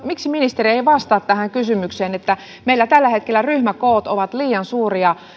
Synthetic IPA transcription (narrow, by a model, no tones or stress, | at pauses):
miksiminist̪erieiʋɑst̪ɑːt̪tæhæŋkysymykseːnet̪ːæ | meilːæt̪ælːæhet̪̚kelːæryhmækoːt̪oʋɑt̪liːɑnsuːriɑ